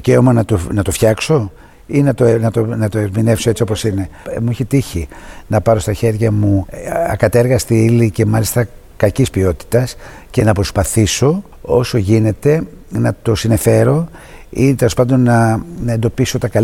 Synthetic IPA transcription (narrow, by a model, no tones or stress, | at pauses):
ice̞o̞mɐnɐt̪onɐt̪ofçɐkso̞ | inɐt̪onɐt̪onɐt̪oeɾmine̞fso̞e̞t͡sio̞po̞sine̞mueçit̪içinɐpɐɾo̞st̪ɐçe̞ɾʝɐmuɐ̰kɐt̪e̞ɾɣɐst̪iilice̞mɐlist̪ɐ | kɐcispio̞t̪i̥t̪ɐs | ce̞nɐpɾo̞spɐθiso̞ | o̞so̞ʝine̞t̪e̞nɐt̪o̞sinefe̞ɾo̞ | ḭt̪elospɐnd̪o̞nːɐne̞nd̪o̞piso̞t̪ɐkɐl